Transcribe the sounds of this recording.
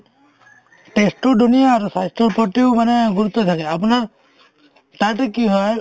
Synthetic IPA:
ʈesʈɔdunijaːɾusajstɔpɔʈiʊmanɛɡuɾut̪ːɔt̪ʰakɛap̬unaɹ | t̪aʈɛkiɦɔj

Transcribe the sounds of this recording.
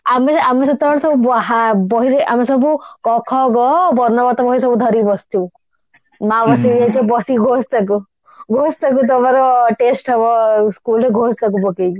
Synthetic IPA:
ameameset̪ɔaɽsɔbubɦabɔɦiɾea̰mesɔbukɔkʰɔɡɔbɔɾnɔbat̪ɔbɔɦis̬ɔbud̪ʱɔɾibɔst̪ʰiw | mabɔsijajt̪ɔbɔsiɡʱost̪aku | ɡʱost̪ak̬ut̪̬ɔmaɾɔʈesʈɦɔbɔskuleɡʱost̪ʰak̬ubɔkeki

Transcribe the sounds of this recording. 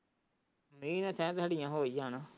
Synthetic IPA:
mĩːnɛ̃ːsɛ̃ːt̪̬aːɖɪjãːɦoːiːd͡ʒãːnãː

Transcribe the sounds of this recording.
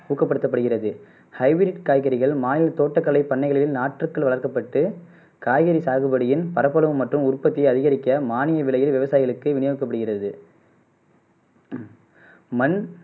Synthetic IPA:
uːkːɐpːɐɽɯt̪ːɐpːɐɽɯɣɪrɐðɯ | hɐɪʋɾɪʈkaːjɣɐɾɪɣɐɭmaːnɪlɐt̪oːʈːɐkːɐɭɐɪpːɐɳːɐɪɣɐɭɪlɪlnaːʈrɯkːɯɭʋɐɭɐrkɐpːɐʈːɯ | kaːjɣɐɾisaːɣɯbɐɽɯjɪnpɐɾɐpːɐlɐʋɯmːɐʈrɯmʊrpːɐt̪ːɪjɐɪɐðɪɣɐɾɪkːɐmaːnɪjɐʋɪɭɐjɪlʋɪʋɐsaːjɪɣɐɭɯkːɯʋɪnɪjoːɯkːɐpːɐɽɯɣɪrɐðɯ | mɐn

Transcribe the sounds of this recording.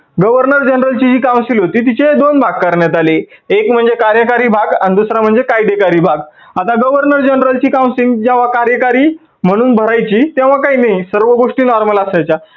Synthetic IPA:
ɡəʋəɾnəɾd͡ʑənɾəlt͡ɕid͡ʑiːkãw̃silɦot̪iːt̪̬it͡ɕed̪onbʱaɡ̚kəɾɳjat̪aleekm̤əɳd͡zekaɾjəkaɾiːbʱaɡand̪usɾam̤əɳd͡zekajɖekaɾiːbʱaɡ | at̪aɡəʋəɾnəɾd͡ʑənɾəlt͡ɕiːkaw̃siŋɡd͡ʑaʋ̤akaɾjəkaɾiː | m̤əɽ̃uːnbʱəɾajt͡ɕiːt̪jɛ̃ʋ̤ãkaɦiːnaɦjsəɾʋəɡoʂʈiːnɔɾmələsajt͡ɕa

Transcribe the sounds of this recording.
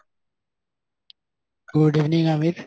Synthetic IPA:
ɡ̥uɖiʋniŋaːmiɾ

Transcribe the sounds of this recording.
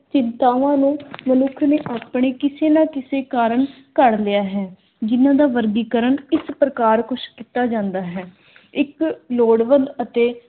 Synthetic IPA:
t͡ʃɪnt̪aːʋãːnũːmənʊkʰneːʔaːpɳeːkɪseːnãːkɪseːkaːɾəɳ | kəɽlɪjaːɦɛː | d͡ʒɪnãːd̪aːʋəɾɡiːkəɾəɳɪspɾəkaːɾkʊʃkiːt̪aːd͡ʒãːnd̪aːɦɛː | ɪkloːɽʋənd̪ət̪eː

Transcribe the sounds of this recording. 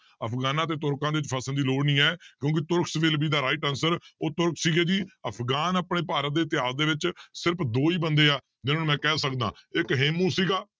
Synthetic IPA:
əpʰɡaːnãːt̪̬eːt̪ʊɾkãːd̪eːʋɪt͡ʃpʰəsənd̪iːloːɽnĩːɛːkjõːk̬ɪt̪ʊɾkʰsʋɪːlbiːd̪aːɾaːɪʈənsəɾoːt̪ʊɾkʰsiːɡeːd͡ʒiːəpʰɡaːnaːpɳeːpaːɾət̪̚d̪eːt̪ɪjaːzd̪eːʋɪt͡ʃsɪɾəpʰd̪oːiːbənd̪eːaː | d͡ʒɪnõːmɛ̃ːkɛːsəkd̪ã̰ːɪkɦeːmũːsiːɡaː

